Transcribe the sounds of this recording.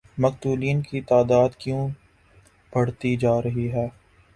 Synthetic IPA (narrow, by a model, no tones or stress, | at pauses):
mɐkt̪uːliːnkit̪aːd̪aːd̪kjũː | b̥ʱɐɽt̪id͡ʒaːɾɐɦiɦɛː